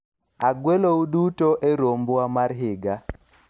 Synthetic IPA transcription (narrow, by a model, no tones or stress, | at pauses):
aɡweloudutoʔeɾombwamaɾɦɪɡa